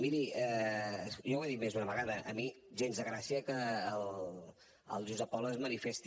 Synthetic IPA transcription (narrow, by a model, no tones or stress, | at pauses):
miɾi | ʒɔwaðimezunəβəɣaðəʔəmi | ʒenzðəɣɾasiəkəːl | ə̰lˠʒuzəpɔləzmənifest̪